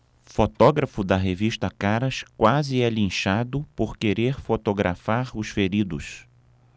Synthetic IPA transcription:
fot̪ɔɡɾɐfʊd̪ɐɦeviʃt̪ɐkaɾɐskwazɪɛlĩʃad̪ʊpoɾkeɾeɾfot̪oɡɾʔa̰faɾʊsfeɾid̪ʊs

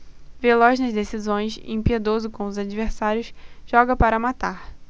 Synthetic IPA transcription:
velɔʒnɐzd̪esizõj̃sḛ̃pied̪ozʊkõʊzad͡ʒiveɾsaɾjʊsʒ̥ɔɡɐpaɾɐmat̪aɾ

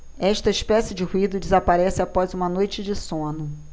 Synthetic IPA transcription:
ɛʃt̪ɐiʃpɛsjɪd͡ʒɪhuid̪ʊd͡ʒɪzapaɾɛsɪapɔzũmɐnojt͡ʃɪd͡ʒɪsõnʊ

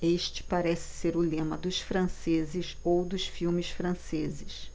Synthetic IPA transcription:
eʃt͡ʃɪ̥paɾɛsɪ̥seɾʊlẽmɐd̪ʊʃfɾɐ̃sezɪsowd̪ʊsfiwmɪsfɾɐ̃sezɪʃ

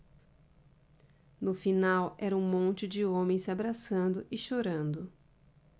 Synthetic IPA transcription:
nʊfinawɛɾɐũmõnt͡ʃɪd͡ʒɪõmẽj̃sɪabɾasɐ̃nd̪ʊʔɪʃoɾɐ̃nd̪ʊ

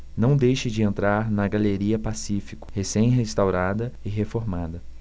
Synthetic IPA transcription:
nɐ̃w̃d̪ejʃɪd͡ʒɪẽnt̪ɾaɾnɐɡaleɾiɐpasifi̥kʊ̥hesẽj̃ɦest̪awɾad̪ɐɪɦefoɾmad̪ɐ

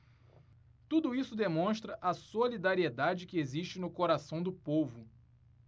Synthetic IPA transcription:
t̪ud̪ʊisʊd̪emõʃt̪ɾɐʔɐsolid̪aɾied̪ad͡ʒɪkɪeziʃt͡ʃɪnʊkoɾasɐ̃w̃d̪ʊpovʊ

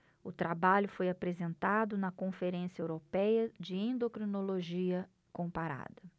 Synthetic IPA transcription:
ʊt̪ɾabaʎʊfojapɾezẽnt̪ad̪ʊnɐkõfeɾẽsjɐewɾopɛjɐd͡ʒɪẽnd̪okɾinoloʒiɐ | kõpaɾa̰d̪ɐ

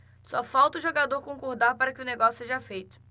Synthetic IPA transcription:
sɔfawt̪ɐʊʒoɡad̪oɾkõkoɾd̪aɾpaɾɐkɪʊneɡɔsjʊseʒɐfejt̪ʊ̥

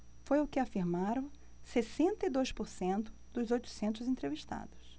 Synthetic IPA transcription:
fojʊkɪafiɾmaɾɐ̃w̃ | sesẽnt̪ɐid̪ojspʊɾsẽnt̪ʊ̥ | d̪̥ʊzojt̪ʊ̥sẽnt̪̬ʊzẽt̪ɾeviʃt̪a̰d̪ʊs

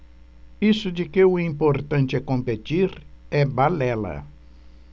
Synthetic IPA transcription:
isʊd͡ʒɪkɪʊĩmpoɾt̪ɐ̃nt͡ʃ̪ɪɛkõmpet̪iɾɛbalɛlɐ̰

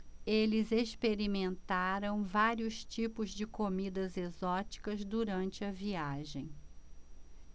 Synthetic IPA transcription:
elɪzespeɾimẽnt̪aɾɐ̃w̃vaɾiʊst͡ʃipʊzd͡ʒɪkomid̪ɐzezɔt͡ʃi̥kɐzd̪uɾɐ̃nt͡ʃɪɐviaʒḛ̃j̃

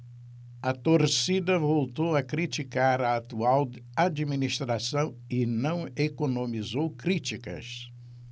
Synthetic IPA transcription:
ɐt̪oɾsid̪ɐvowt̪owɐkɾit͡ʃ̪ikaɾɐat̪uaw | ad͡ʒiminiʃt̪ɾasɐ̃w̃ | ɪnɐ̃w̃ekonomizowkɾit͡ʃ̪ikɐ̰s

